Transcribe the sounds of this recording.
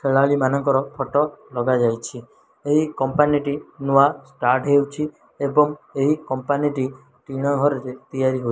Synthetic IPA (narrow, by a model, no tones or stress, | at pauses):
kʰeɭaɭimanɔŋkɔɾɔpʰɔʈɔlɔɡad͡ʒajt͡ʃʰi | eɦikɔmpaniʈinuʋasʈaɾʈɦewt͡ʃʰi | ebɔŋeɦikɔmpaniʈi | ʈiɽ̃ɔɦɔɾeɾet̪ijaɾiɦoj